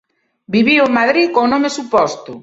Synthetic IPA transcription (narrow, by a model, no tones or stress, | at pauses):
biβiʊemaðɾikonomesupɔst̪ʊ